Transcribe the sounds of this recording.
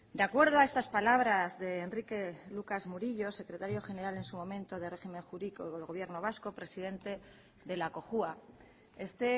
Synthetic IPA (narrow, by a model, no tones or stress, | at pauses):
d̪eakwe̞ɾðoae̞st̪aspalaβ̞ɾazðe̞ːnrike̞lukazmuɾiʎo̞se̞kɾet̪aɾjo̞xe̞ne̞ɾale̞nsumõ̞mẽnt̪o̞ðere̞xime̞ŋxuɾikoelɣoβje̞ɾno̞β̞asko̞pɾe̞siðe̞nt̪e̞ | ðe̞lako̞xua | e̞st̪e̞